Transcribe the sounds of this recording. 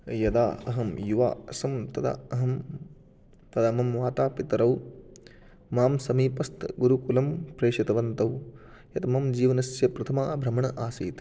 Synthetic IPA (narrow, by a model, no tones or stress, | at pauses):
jɐd̪aːɐɦɐmjuʋa̰ːɐsɐmt̪ɐd̪a̰ɐɦɐm | t̪ɐd̪ɐɐmɐmʋaːt̪aːpit̪ɐɾɐw | maːmsɐmiːpɐst̪ɡuɾukulɐmpɾeːʂit̪ɐʋɐnt̪ɐw | jɐt̪ɐmɐmd͡ʒiːʋɐnɐsjɐpɾɐt̪ʰɐmaːbʱɾɐmɐɳɐʔaːsiːt̪